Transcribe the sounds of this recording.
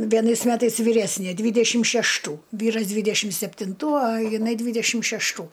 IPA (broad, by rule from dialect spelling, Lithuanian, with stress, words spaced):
ʋʲiɛˈnɐɪs ˈmʲæːtɐɪs ʋʲiːˈrʲæːsʲnʲeː ˈdʲʋʲiːdʲɛʃʲɪm ʃʲɛʃˈtuː ˈʋʲiːrɐs ˈdʲʋʲiːdʲɛʃʲɪm sʲɛpʲtʲɪnˈtuː ˈɐ jɪˈnɐɪ ˈdʲʋʲiːdʲɛʃʲɪm ʃʲɛʃˈtuː